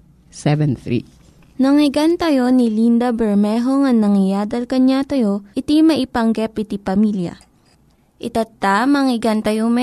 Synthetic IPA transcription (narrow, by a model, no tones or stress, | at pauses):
sɛvɛnθɾḭ | nɐŋɪɡant̪ɐjo̞nilind̪ɐbɛɹmɛɦoŋɐŋnːɐŋɪjaːd̪ɐlkɐɲat̪ɐjo̞ʔɪt̪imɐʔɪpɐŋɡɛpɪt̪ipɐmiljɐ̰ | ʔɪt̪ɐt̪ːamɐŋɪɡɐnt̪ɐjomɛ